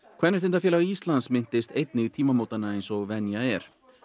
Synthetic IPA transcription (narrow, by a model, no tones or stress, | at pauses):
kʰvɛɾnɪɛ̥ɾt̪ʏnt̪afjɛːlaɣist̪lansmɪn̥t̪ɪst̪ejt̪nɪɣt̪ʰiːmamoːwt̪anaejnsɔɣvɛnjaɛɾ̥